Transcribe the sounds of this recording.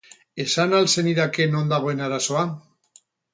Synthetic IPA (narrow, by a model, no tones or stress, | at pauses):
esanalseniðakenond̪aβoenaɾasoa